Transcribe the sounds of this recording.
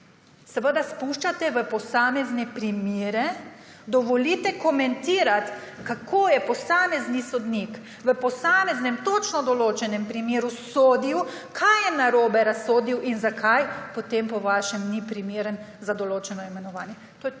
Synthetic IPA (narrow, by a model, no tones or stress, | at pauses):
sɛʋəd̪aspuʃt͡ʃat̪ɛʋəpɔsaːmɛznɛpɾimeːɾɛd̪ɔʋɔliːt̪ɛkɔmɛnt̪iːɾat̪kakʰoːjɛpɔsaːmɛznisɔd̪nik | ʋəpɔsaːmɛznɛmt̪ot͡ʃnɔd̪ɔloːt͡ʃɛnɛmpɾimeːɾusoːd̪iw | kʰajjɛnaɾoːbɛɾasoːd̪iwʔinzakʰajpɔt̪empɔʋaʃɛmnipɾimeːɾənzad̪ɔloːt͡ʃɛnɔimɛnɔʋaːnjɛ | t̪oːjɛ